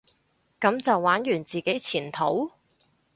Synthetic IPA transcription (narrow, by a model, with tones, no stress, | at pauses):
kɐ˨˧˥mt͡sɐ˨wːaː˨˥njyː˨˩nt͡siː˨ke˨˥jt͡sʰiː˨˩nt̪ʰo˨˥w